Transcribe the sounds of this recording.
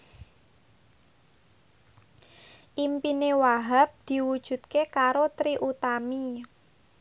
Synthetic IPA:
ʔimpinewaɦap̚d̪̥i̤wud̥ʒ̥ṳt̪̚kekaɾot̪ɾiʔut̪ami

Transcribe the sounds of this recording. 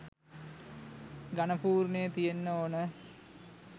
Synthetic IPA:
ɡanəpuːɾnejət̪ijenːəoːnə

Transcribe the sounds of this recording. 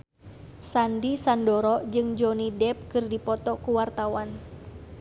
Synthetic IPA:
sandisandɔɾɔd͡ʒɨŋd͡ʒɔnidɛp̚kɨrdipɔt̪ɔkuwart̪awan

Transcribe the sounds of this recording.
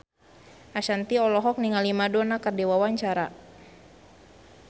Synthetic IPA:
ʔaʃant̪iɔlɔɦɔk̚niŋalimadɔnakərdiwawaɲt͡ʃaɾa

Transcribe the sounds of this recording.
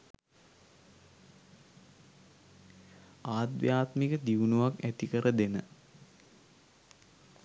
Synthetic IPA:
aːt̪ʋjaːt̪mikəd̪iʋunuʋakæt̪ikəɾəd̪enə̰

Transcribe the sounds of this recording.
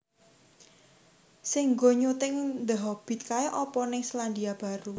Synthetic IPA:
sɪŋɡoɲut̪ɪŋnd̪əɦɔb̥i̤t̪̚kaeʔɔpɔnɪŋsland̪iab̥a̤ɾu

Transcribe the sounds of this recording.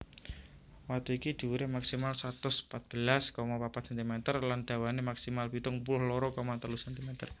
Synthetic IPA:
wakt̪uikid̪̥i̤wuɾɪhmaksimalsat̪ʊspat̪̚b̥əlaskɔmɔpapat̪sɛnt̪imɛt̪ərland̪̥ä̤wanemaksimalpit̪ʊŋpulʊhlɔɾɔkɔmant̪əlusɛnt̪imɛt̪ər

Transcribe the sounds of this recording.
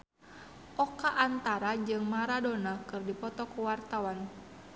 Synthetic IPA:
ʔɔkaʔːnt̪aɾad͡ʒɨŋmaɾadɔnakɨrdipɔt̪ɔkuwart̪awan

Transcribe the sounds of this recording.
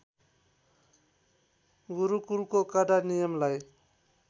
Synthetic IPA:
ɡuɾukulkokadanijʌmlaj

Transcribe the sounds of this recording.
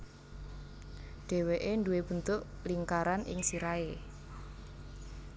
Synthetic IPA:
ɖ̥e̤weʔenduweb̥ə̤nt̪ʊʔliŋkaɾanʔɪ̰ŋsiɾae

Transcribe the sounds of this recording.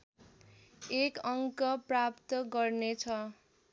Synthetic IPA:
ekʌŋkʌprapt̪ʌɡʌrnet͡sʰʌ

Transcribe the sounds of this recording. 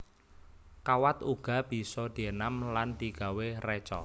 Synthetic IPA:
kawat̪uɡ̥a̤b̥i̤sɔd̪̥i̤ənamland̪̥i̤ɡ̥a̤werɛt͡ʃɔ̰

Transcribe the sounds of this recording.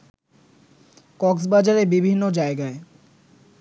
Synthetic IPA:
kɔksbad͡ʑaɾebibʱinːod͡ʑaeɡae

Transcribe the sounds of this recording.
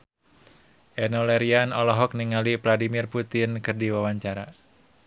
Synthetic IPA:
ʔɛnɔlɛɾianɔlɔɦɔk̚niŋalivladimirput̪ɪnkɨrdiwawaɲt͡ʃaɾa

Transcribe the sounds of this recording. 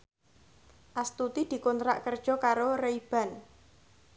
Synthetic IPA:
ʔast̪ut̪id̪̥i̤kont̪ɾa̰ʔkərd̥ʒ̥ɔ̤kaɾoreib̥ä̤n

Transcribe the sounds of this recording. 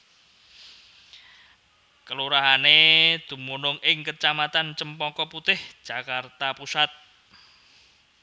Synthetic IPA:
kəluɾaɦaned̪̥ṳmunʊŋɪŋkət͡ʃamat̪ant͡ʃəmpɔkɔput̪ɪhd̥ʒ̥a̤kart̪apusat̪̚

